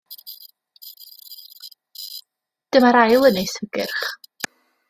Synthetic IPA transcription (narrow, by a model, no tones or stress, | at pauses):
d̥əmaɾajlˠənejsəɡ̥ɪrχ